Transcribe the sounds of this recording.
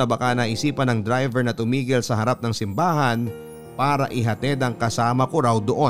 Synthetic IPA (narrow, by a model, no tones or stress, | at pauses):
ɐbɐkanɐʔɪsiːpɐnɐŋd̪ɾajvɛɹnɐt̪ʊmiːɡɪlsɐɦɐɾap̚nɐŋsɪmbaːɦɐn | paːɾɐ̰ʔɪɦɐt̪ɛd̪ɐŋkɐsaːmɐkoɾawd̪oʔo